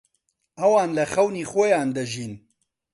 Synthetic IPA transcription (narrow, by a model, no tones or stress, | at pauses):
ɐwaːnlɐxɐwniːxojaːnd̪ɐʒiːn